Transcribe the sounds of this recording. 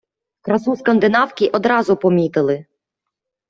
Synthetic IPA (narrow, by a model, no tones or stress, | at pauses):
kɾɐsuskɐnd̪ɪnɑwkʲiʔɔd̪ɾɑzʊpɔmʲit̪ɪlˠɪ